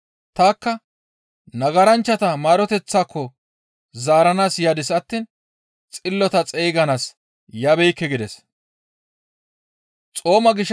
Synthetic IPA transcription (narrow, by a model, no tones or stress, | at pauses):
t̪aːkːɐ | nɐɡɐɾɐnt͡ʃːɐt̪ɐmaːɾɔt̪ɛt͡sːaːkːɔ | zaːɾɐnaːsjaːd̪ɪsɐt̪ːiːn | t͡sʼɪlːɔt̪ɐt͡sʼɛjɡɐnaːs | jaːbɛjkːɛɡɪd̪ɛs | t͡sʼo̞ːmɐɡɪʃ